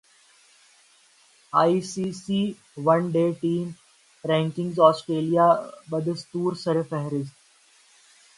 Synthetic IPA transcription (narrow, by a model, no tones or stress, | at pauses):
aːisiːsiː | ʋɐ̃nɖeːʈiːm | ɾɛ̃ːŋkɪ̃ŋɡzɔːsʈɾeːlijaːbəd̪əst̪uːɾsəɾfɛɦɛɾɪsʈ